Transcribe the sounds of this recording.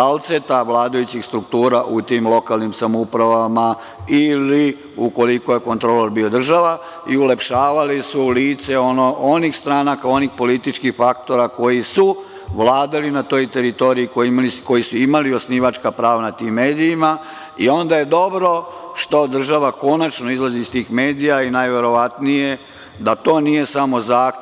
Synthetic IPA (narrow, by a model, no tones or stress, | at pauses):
alt̪set̪aʋlˠaːd̪ajut͡ɕixst̪ɾukt̪uːɾaʔut̪imlˠo̞kalˠnimsamoupɾaʋama | ili | uko̞liko̞je̞ko̞nt̪ɾoloɾbio̞d̪r̩ʒaʋa | iulepʃaːʋalisuliːt̪se̞onoʔonixst̪ɾaːnakao̞nixpo̞lit̪it͡ʃkixfakt̪o̞ɾako̞jisu | ʋlˠaːd̪alinat̪o̞jt̪e̞ɾit̪o̞ɾiikoimliko̞jisuimaliosniʋat͡ʃkapɾaːʋanat̪iːmːe̞ːd̪ijima | io̞nd̪aje̞d̪o̞bɾo̞ʃt̪o̞d̪r̩ʒaʋako̞nat͡ʃno̞izlˠaziːst̪iːxme̞ːd̪ijainajʋe̞ɾo̞ʋat̪nije̞ | d̪at̪o̞ːnije̞samo̞zaː